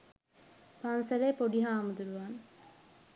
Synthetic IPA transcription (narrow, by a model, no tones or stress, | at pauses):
pansɐɾeːpoɖiɦaːmud̪uɾuʋaːn